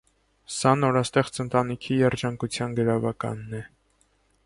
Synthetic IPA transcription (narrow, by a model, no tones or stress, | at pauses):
sɑnɔɾɑst̪ɛχt͡sənt̪ɑnikʰijɛɾd͡ʒɑŋkut͡sʰjɑnɡəɾɑvɑkɑ̰nːɛ